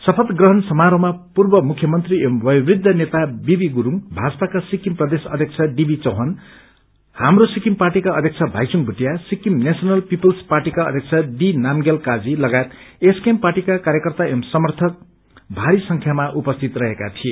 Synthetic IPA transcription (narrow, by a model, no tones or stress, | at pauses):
sʌpʰʌt̪ɡrʌɦʌnsʌmaɾomapurbʌmukʰjʌmʌnt̪riʔemwʌjwrid̪ʱːʌnet̪abibiɡuɾuŋbʱad͡zʌpakasikimprʌd̪esʌ̰d̪ʱjek̚t͡sʰʌɖibit͡sʌɦʌn | hamrosikimparʈikaʌd̪ʱjʌkt͡sʰʌbʱa̰jsuŋbʱuʈijasikimnesʌnʌlpipʌlsparʈikaʌ̰d̪ʱjek̚t͡sʰʌɖinamɡelkad͡zilʌɡajet̪eskemparʈikakaɾjʌkʌrt̪aemsʌmʌrt̪ʰʌk̚ | bʱaɾisʌŋkʰjamaʔupʌst̪ʰit̪rʌɦekat̪ʰie